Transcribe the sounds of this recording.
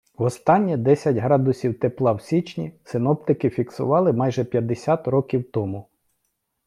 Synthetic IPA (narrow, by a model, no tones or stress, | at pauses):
wɔst̪ɑnʲːid̪ɛsʲɐtʲɦɾɑd̪ʊsʲiwt̪eplˠɑwsʲit͡ʃnʲisɪnɔpt̪ɪkɪfʲiksʊ̰ʋɑlˠɪmɑjʒɛpʲjɐd̪esʲat̪rɔkʲiwt̪ɔmʊ